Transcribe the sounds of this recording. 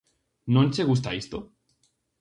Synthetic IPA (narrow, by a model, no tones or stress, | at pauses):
nonʲt͡ʃeɣust̪aist̪o